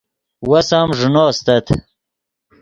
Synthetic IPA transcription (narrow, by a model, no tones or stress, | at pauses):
wɐsaːmʐunoːst̪ɐt̪ʰ